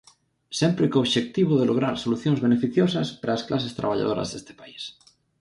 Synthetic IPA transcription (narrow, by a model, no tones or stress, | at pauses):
sempɾekoβʃek̚t̪iβ̞oð̞eloɣ̞ɾaɾsoluθjoŋzβenefiθjosaspaɾaːsklasest̪ɾa̰β̞aʎa̰ð̞oɾa̰zðest̪e̥pais